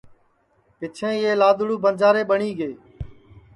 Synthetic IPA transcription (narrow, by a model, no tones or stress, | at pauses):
pɪt͡ʃʰẽːeːlaːd̪ɽuːbənd͡ʒaːɾeːɓəɳiːɡeː